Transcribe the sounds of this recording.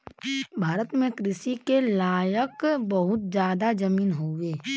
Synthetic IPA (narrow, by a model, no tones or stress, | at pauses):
bʱaːɾət̪mẽkɾɪsikelaːjəkbɐɦʊt̪̚zjaːd̪ad͡ʒɐmiːnɦoːɡeː